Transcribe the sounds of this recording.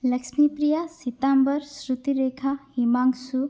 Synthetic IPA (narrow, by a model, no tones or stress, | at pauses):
ləksmiprijasit̪ambəɾsɾut̪iɾekʰahimaŋɡsu